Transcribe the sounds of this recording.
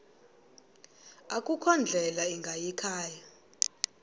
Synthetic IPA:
akʼukʰɔnd͡ɮʱɛlaɛŋɡʱajikʰaːja

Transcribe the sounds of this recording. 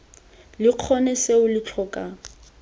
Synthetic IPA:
lɪq͡χʰɔnɛseʊlɪt͡ɬʰɔkʼa

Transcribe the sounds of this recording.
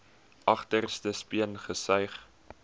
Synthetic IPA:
ʔɐχtərstəspiənχəsœɥχ

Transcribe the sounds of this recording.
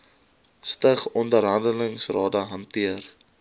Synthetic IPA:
stəχɔndəɾɦɐndələŋsrɑːdəɦɐntiər

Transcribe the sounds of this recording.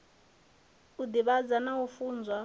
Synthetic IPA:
ud̪iβad͡zanaɦufuːnd͡zwa

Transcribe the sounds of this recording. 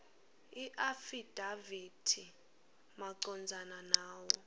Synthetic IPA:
iʔafid̥ʱavid̥ʰʱi | maǀɔnd͡zʱananaːwɔ

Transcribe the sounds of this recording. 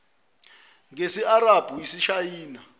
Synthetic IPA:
ŋesiaɾab̥ʱujisiʃajiːna

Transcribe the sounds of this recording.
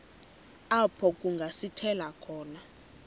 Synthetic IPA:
apʰɔkʼuŋɡʱasitʰɛlakʰɔːna

